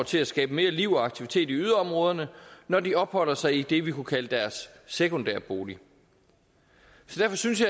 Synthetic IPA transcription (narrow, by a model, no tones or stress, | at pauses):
t͡sʰe̝læsɡ̥ɛːb̥əme̝ːɐliʊɒɑ̈ɡ̥t͡sʰiʋi̥t͡sʰe̝̰ːd̥iyðˠɐɒ̽mʁɔ̽ːð̞ˠɐnənɒdiɒ̽b̥hɒ̽l̰ɐsɑ̈ɪid̥e̝ʋikʰukʰæləd̥æɐsː | ekʰond̥æɐb̥o̝ːli | sɒ̽d̥æɐfɒ̽synsjɑ̈